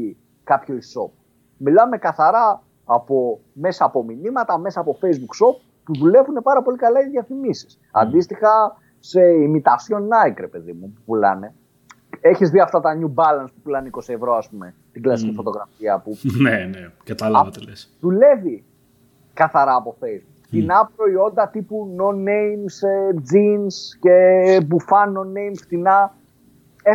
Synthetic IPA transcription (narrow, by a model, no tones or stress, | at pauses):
i | kɐpçoiso̞p | milɐme̞kɐθɐɾɐː | po̞ | me̞sɐːpo̞minimɐt̪ɐme̞sɐːpo̞fejzbukso̞p̚ːuðule̞vune̞pɐɾɐpo̞likɐlɐiðiɐθimisi̥s | ɐ̰nd̪ist̪ixɐ | seimit̪ɐsjo̞nːɐjkɾe̞pe̞ðimupupulɐ̰ne̞ | eçizðiɐft̪ɐt̪ɐɲubɐlɐnspupulɐneiko̞sievɾo̞ɐspume̞ | t̪iɡlɐsi̥cifo̞t̪o̞ɣɾɐfiɐpunenekɐt̪ɐlɐvɐlesðule̞vi | kɐθɐɾɐːpo̞fejzbukft̪inɐpɾo̞io̞nd̪ɐt̪ipunonːeimsed͡zinsce̞bufɐnːo̞nːejmft̪inɐ | e